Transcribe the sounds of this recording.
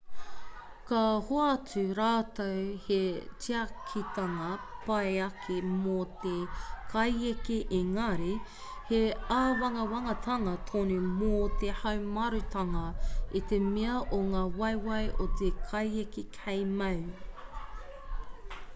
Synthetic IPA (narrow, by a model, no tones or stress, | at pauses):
kɐhoat͡sʉɾaːtowhet͡ʃiɐkʰit̪ɐŋɐpɐeɐkʰemot̪ekʰɐjekeʔeŋɐɾi | heaːwɐŋɐwɐŋɐt̪ʰɐŋɐt̪ʰonimot̪ehɐwmɐɾʉt̪ʰɐŋɐit̪emeɐʔoŋaːwɐjwɐjʔot̪ekʰɐjekikʰejmɐw